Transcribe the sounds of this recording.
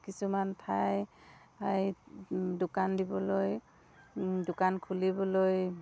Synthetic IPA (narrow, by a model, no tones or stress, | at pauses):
kisumantʰaj | aɹ | dʊkandibɔloj | dʊkankʰulibɔloj